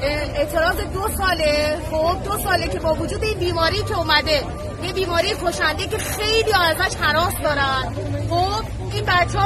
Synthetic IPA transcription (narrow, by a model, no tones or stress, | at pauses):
eʔt̪ʰe̞ɾɒːze̞d̪osɒːlexob̚d̪osɒːlecʲʰe̞bɒːvod͡ʒuːd̪e̞iːnbiːmɒːɾijːcʰe̞uːmæd̪e | jebiːmɒːɾijekʰoʃænd̪ece̞xe̞jlijɒæzæʃhæɾɒːsd̪ɒːɾæn | xob | iːnbæt̪t͡ʃʰː